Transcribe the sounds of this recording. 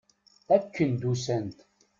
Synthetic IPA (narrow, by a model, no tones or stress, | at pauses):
ækːənd̪usænt̪